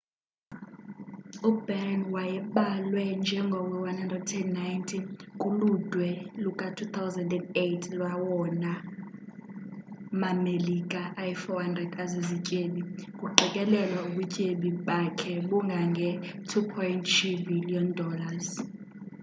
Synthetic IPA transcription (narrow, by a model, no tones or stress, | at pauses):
ubɛrnwajɛmɓalwɛnd͡ʒʱɛŋɡʱɔkɛwanhandrɛdtʰɛdnːajntʰinkʼulud̥ʱwɛlukʼatʰut̪ʰawzɛndɛndejtʰlwawɔna | mamelikʼaʔajɛfɔhandrɛdkʼazizicʼeɓikʼuǃikʼɛlɛlwauɓucʼeɓiɓakʰɛɓuŋɡʱaŋɡʱɛtʰupʰɔjintʰt͡ʃubiliɔndɔlaz̥